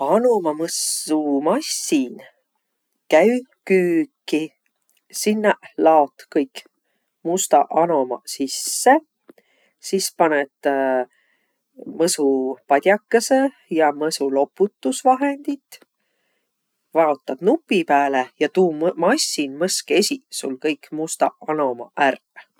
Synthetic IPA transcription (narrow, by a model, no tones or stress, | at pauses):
ɑnomɑmɤsumɑsːin | kæykyːkːi | sinːɑlɑot̪kɤjk | must̪ɑ̰ʔɑno̞mɑ̰sisːe | sispɑnet̪ | mɤsupɑd̪̥ʲjɑkːɑse | jɑmɤsulo̞pːut̪ːusvɑɦend̪̥it̪ | vɑot̪ːˑɑd̥̪nupːˑipæːlejɑt̪uːmmɑsʲːinmɤske̞sʲisṵlkɤjkmust̪ɑ̰ɑno̞mɑ̰ʔærv